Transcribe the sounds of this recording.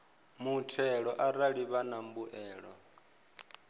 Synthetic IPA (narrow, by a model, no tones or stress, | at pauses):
mutʰɛɺɔʔaɾaɺiβanambuʔɛːɺɔ̰